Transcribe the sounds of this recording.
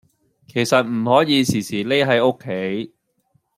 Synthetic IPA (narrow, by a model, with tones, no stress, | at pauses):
kʰe˨˩jsɐ˨t̚m̩˨˩hɔː˨˥jiː˨˧siː˨˩siː˨˩le˥jɦɐ˨˧jo˥kʰːe˨˥j